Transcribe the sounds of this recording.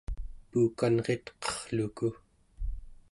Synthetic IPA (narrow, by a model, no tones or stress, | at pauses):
puːkanʁe̞t̪qʌ̥χɬuku